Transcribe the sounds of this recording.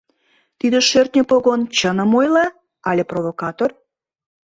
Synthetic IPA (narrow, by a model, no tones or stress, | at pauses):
t̪id̪ə̆ʃørt̪ʲnʲəpoɣont͡ɕənə̆mojlɑ | ɑlʲĕprovokɑt̪or